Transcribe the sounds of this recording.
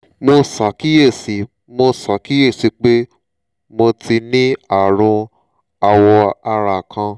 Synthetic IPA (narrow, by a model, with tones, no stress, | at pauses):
mo˧sa˨˦ki˦je˦˨si˨˦ | mo˧sa˨˦ki˦je˦˨si˨˧˦k͡pe˦ | mo˧ti˧nĩ˦a˦˨ɾ̃ũ˧ | a˨wɔ˧a˧ɾa˨kʰã˧